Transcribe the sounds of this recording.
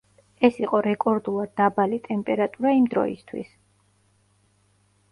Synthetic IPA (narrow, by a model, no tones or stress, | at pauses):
ɛsiqʼɔɾɛkʼɔɾd̪ulˠad̪̚ːabalit̪ʼɛmpʼɛɾat̪ʼuɾaimd̪ɾɔ̰ḭst̪ʰwḭs